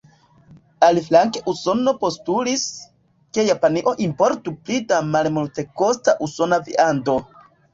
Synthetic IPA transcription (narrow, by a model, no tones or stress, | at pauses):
aliflaŋkeʔuso̞no̞po̞stulis | ke̞japaniʔo̞ʔimpo̞ɾtuplidamalmulte̞ko̞staʔuso̞navḭʔando̞